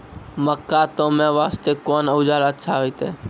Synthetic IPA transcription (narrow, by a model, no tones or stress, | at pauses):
məkːaːt̪õːmẽːʋaːst̪eːkoːnəʊd͡ʒaːlət̪ʃʰaːɦoiːt̪eː